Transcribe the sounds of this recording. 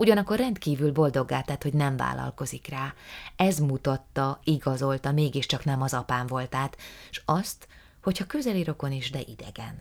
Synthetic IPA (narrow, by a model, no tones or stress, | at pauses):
uɟɒnɒkːo̞rrɛnt̪kiːvylbo̞ld̪o̞ɡːaːt̪aːt̪ho̞ɟnɛɱva̰ːlɒ̰lko̞zikraːɛzmut̪ɒt̪ːɒiɡɒzo̞lt̪ɒmeːɡiʃt͡ʃɒknɛmɒzɒpaːɱvo̞lt̪aːt̪ʃɒst̪ | ho̞chɒkøzɛliɾo̞ko̞niʒd̪ɛʔid̪ɛ̰ɡɛ̰n